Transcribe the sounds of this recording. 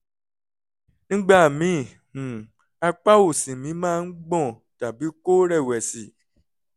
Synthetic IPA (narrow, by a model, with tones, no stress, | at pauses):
nĩ˦ɡ͡ba˦˨mĩ˨˦˨ | hũ˨ | a˧k͡pa˦wo˦˨sĩ˨mĩ˨˦mãː˦˧n̩˦ɡ͡bɔ̃˦˨ | ta˨bi˨˦ko˦ɾɛ˦˨wɛ˨si˨˦